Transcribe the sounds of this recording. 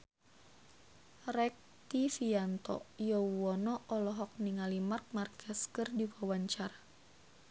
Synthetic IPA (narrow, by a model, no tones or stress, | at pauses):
rɛk̚ | t̪ifiant̪ɔ̰jɔwɔnɔʔɔlɔɦɔk̚niŋalimark̚markʰɛskɨrdiwawaɲt͡ʃaɾa